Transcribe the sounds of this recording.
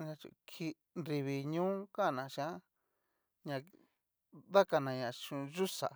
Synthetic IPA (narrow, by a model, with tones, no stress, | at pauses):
ã˧t͡ʃṵ˧kʰi˧ | nɾi˧βi˧ɲũ˦kã˦˨nã˨˧˨ʃã˦ | ɲã˧ | βa˦ka˧nã˨˧ɲã˨t͡ʃũ˧ʒu˦sa̰˨